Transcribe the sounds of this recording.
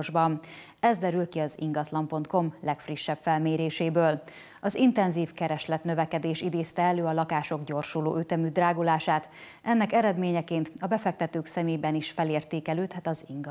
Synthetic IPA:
ʒbɒn | ɛzd̪ɛɾylkiɒzḭŋɡɒt̪lɒmpo̞nt̪̚ko̞mlɛkfriʃːɛbfɛlmeːɾeːʃeːbøːl | ɒzint̪ɛnziːfkɛɾɛʃlɛt̪nøvɛkɛd̪eːʃid̪eːst̪ɛɛløːɒlɒkaːʃoɡɟo̞rʃulo̰ːʔøt̪ɛmyd̪raːɡolaːʃaːt̪ | ʔɛnːɛkɛɾɛd̪meːɲɛkeːnt̪ɒbɛfɛk̚t̪ɛt̪øːksɛmeːbɛniʃfɛleːrt̪eːkɛløːt̪hɛt̪ɒziŋɡ

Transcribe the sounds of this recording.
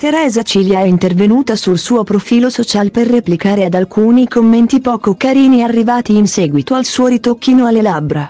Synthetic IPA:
t̪eɾɛːzat͡ʃiljaɛint̪ervenuːt̪asulsuːopɾofiːlosot͡ʃaːlperːeplikaːɾead̪alkuːnikomːent̪ipɔːkokaɾiːniarːivaːt̪iːnsɛːɡwit̪oalsuːoɾit̪okːinoalːelabɾa

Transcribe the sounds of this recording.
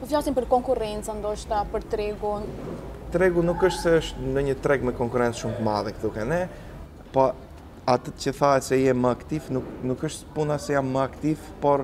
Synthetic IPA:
ɔflasimpəɾkɔŋkurɛnt͡sand̪ɔʃt̪apəɾt̪ɾɛɡun | t̪ɾɛɡunukəʃt̪sɛəʃt̪nəɲət̪ɾɛɡmɛkɔŋkuɾɛnt͡sʃumt̪ma̰ðɛkðukɛnɛ | pɔ | at̪əcəθaɛt̪sɛjɛməakt̪ivnuknukəʃt̪punasɛjamməakt̪ivpɔɾ

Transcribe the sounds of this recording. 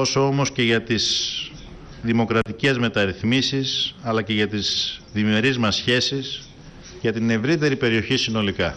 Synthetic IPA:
to̞so̞o̞mo̞sce̞ʝɐt̪iz | ðimo̞kɾɐt̪ice̞zme̞t̪ɐɾiθmisisɐlɐce̞ʝɐt̪izðime̞ɾizmɐsçe̞sis | ʝɐt̪ine̞vɾit̪̬e̞ɾipe̞ɾio̞çisino̞likɐ

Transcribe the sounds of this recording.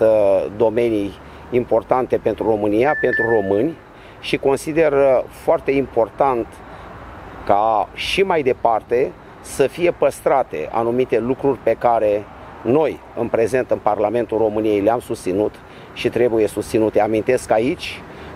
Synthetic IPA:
d̪o̞me̞nijː | mpo̞rt̪ant̪e̞pe̞nt̪ɾuro̞mɨnijape̞nt̪ɾuro̞mɨnʲ | ʃiko̞nsid̪e̞rfoart̪e̞impo̞rt̪ant̪ | kaʃimajd̪e̞part̪e̞ | səfije̞pəst̪ɾat̪e̞̰ʔa̰numit̪e̞lukɾurʲpe̞kaɾe̞ | no̞j | ɨnpɾe̞ze̞nt̪ɨnparlame̞nt̪ulro̞mɨnije̞jleamsust̪sinut̪ | ʃit̪ɾe̞buje̞sust̪sinut̪eamint̪e̞skait͡ʃʲ

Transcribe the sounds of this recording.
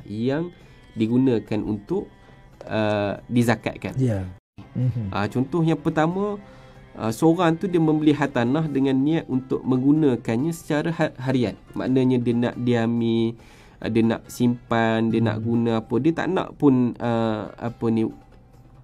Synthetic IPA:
jaŋ | diɡunə̃kanʔṵnt̪ʊʔ | ədizaka̰t̪̚ka̰n | ʔə̰t͡ʃɔnt̪ʊhjaŋpərt̪amə̃ | ʔə̰səoɾaŋt̪udiəmə̃mbəlɪɦat̪anahdəŋãnːiat̪̚unt̪ʊ̰ʔmə̃ŋɡunə̃kanɲãsə̥t͡ʃaɾahaɦaɾian̚mã̰ʔnəɲadiənã̰ʔdiamḭ | diəna̰ʔsimpandiəna̰ʔɡunãapədiət̪a̰ʔnã̰ʔpʊnəa̰pəni

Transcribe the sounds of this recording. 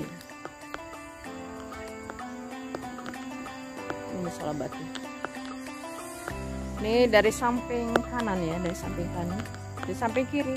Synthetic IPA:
minisɔ̰labat̪i | nidaɾisampɪŋk̪ananjadaɾisampɪŋt̪anan | daɾisampɪŋkiɾi

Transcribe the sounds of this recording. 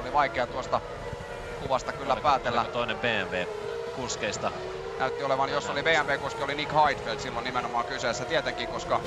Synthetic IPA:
oliʋɑikeɑt̪uost̪ɑ | kuʋɑst̪ɑkylːæpæːt̪elːæt̪oinemb̥eːæmʋeː | kuskeist̪ɑ | nʔæyt̪ːioleʋɑnjosːoliʋeːæmʋeːkuskiolinikhɑit̪felt̪silːonimenomɑːŋkyseːsːæt̪iet̪eŋkiːkoskɑ

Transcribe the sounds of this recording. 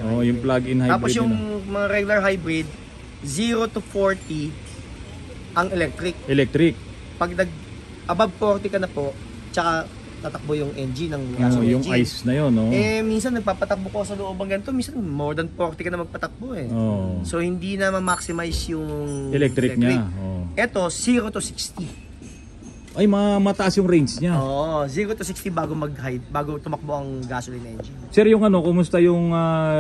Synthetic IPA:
oʔjʊŋplaɡɪnhaj̪aːbɾpoɪdsjʊŋmɐŋaɾɛɡʊlɐɹɦajbɾɪd̪̚ | ziːɾo̞t̪ufoɹt̪i | ʔɐŋɛlɛk̚t̪ɾɪk̚ʔɛlɛk̚t̪ɾɪk̚ | pɐɡ̚nɐɡ̚ | ʔɐbab̚koɾt̪ɛkɐnɐpo̞ʔ | t͡ʃɐka | t̪at̪ɐk̚bojʊŋʔɛnd͡ʒinɐŋasjʊŋajsnɐjonoɛminsɐnːɐɡ̚paːpɐt̪ɐk̚bokɐksɐloʔo̞ːbɐŋɡɐnɪt̪o̞minsɐnnmoɾd̪ɐnpoɾt̪ɪkɐnɐmɐɡ̚pɐt̪ɐk̚boʔɛʔoso̞hɪnd̪inɐmɐmaksɪmajsjʊŋɛlɛk̚t̪ɾɪk̚ɲaɾʔoʔɛt̪o̞siːɾot̪usikst̪i | ʔɐjmɐŋamɐt̪ɐʔasjʊŋɾɛjnsɲaoːʔos̬iːɾot̪usikst̪ibaːɡo̞mɐɡ̚haj̪baːɡo̞t̪ʊmɐk̚boʔɐŋɡaːsolɪnʔɛnd͡ʒɪnsɛɾjʊŋɐno̞kʊmʊst̪ajʊŋɐ

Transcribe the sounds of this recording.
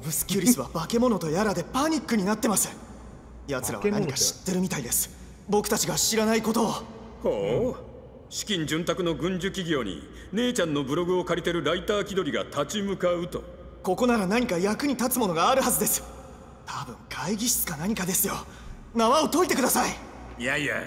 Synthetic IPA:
bɯ̟sɨ̥kʲɨɾʲisɨβabake̞mo̞no̞t̪ojaɾad̪e̞paɲ̟ikːɯ̟ɲ̟inat̪ːe̞masɨ̥ | jat͡sɨɾa̰βanaɲikaɕi̥t̪ːe̞ɾɯ̟mʲit̪aid̪e̞sɨ̥ | bo̞kɯ̟̥t̪at͡ɕiɡaɕiɾanaiko̞t̪o̞ | ho | ɕi̥kʲĩɲ̟d͡ʑɨ̃nt̪akɯ̟no̞ɡɯ̟̃ɲd͡ʑɨkʲiɡʲo̞ːɲ̟ḭ | ne̞ːt͡ɕãnːo̞bɯ̟ɾo̞ɡɯ̟o̞kaɾʲit̪e̞ɾɯ̟ɾait̪aːkʲid̪o̞ɾʲiɡa̰t̪at͡ɕimɯ̟kaɯ̟t̪o̞ | ko̞ko̞naɾanaɲ̟ikajakɯ̟ɲ̟it̪at͡sɨmo̞no̞ɡaːɾɯ̟hazɨd̪e̞sɨ̥ | t̪ʰabɯ̟̰̃ŋɡaiɡʲiɕi̥t͡sɨ̥kanaɲ̟ikad̪e̞sɨjo̞ | naβao̞t̪o̞it̪e̞kɯ̟d̪asaijaia̰

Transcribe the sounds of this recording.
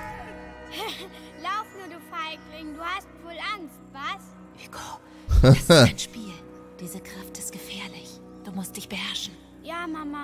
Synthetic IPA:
h | laʊfnuːɐdufaɪ̥ʁɪŋŋduːhastv̥oːlʔaŋstv̥as | ʔiɡ̥o | asaɪnʃpiːl | d̥iːzəkʁ̥aftɪstɡ̥əfɛːɐlɪç | d̥uːmʊst̚d̥ɪçb̥əhɛɐʃn̩ | jaːmama

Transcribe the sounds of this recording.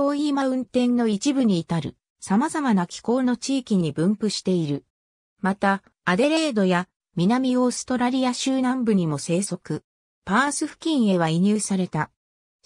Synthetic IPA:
oːiːmaɯ̟̃nt̪ẽ̞nːo̞it͡ɕibɯ̟ɲ̟iːt̪aɾɯ̟̰ | samazamanakʲi̥ko̞ːno̞t͡ɕiːkʲiɲ̟ibɯ̟̃mpɯ̟ɕi̥t̪e̞iɾɯ̟ | mat̪aː | d̪e̞ɾe̞ːd̪o̞ja | mʲinamʲio̞ːsɨ̥t̪o̞ɾaɾʲijaɕɨːnãmbɯ̟ɲ̟imo̞se̞ːso̞kɯ̟ | paːsɨɸɯ̟̥kʲĩɰ̃e̞β̞aiɲ̟ɨːsaɾe̞t̪a

